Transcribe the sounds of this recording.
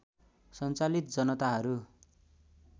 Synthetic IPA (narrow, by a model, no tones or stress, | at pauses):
sʌnt͡salit̪̚d͡zʌnʌt̪aɦʌɾu